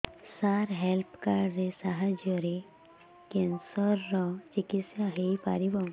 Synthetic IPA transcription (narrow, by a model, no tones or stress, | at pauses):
saɾɦelpʰkaɖɾesaɦad͡ʒjɔɾe | kensɔɾːɔt͡ʃikit̪sjaɦepa̰ɾibɔm